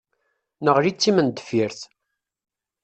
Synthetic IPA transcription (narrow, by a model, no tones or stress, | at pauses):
nəʁɾit͡sːimənd̪ə̥fiɾθ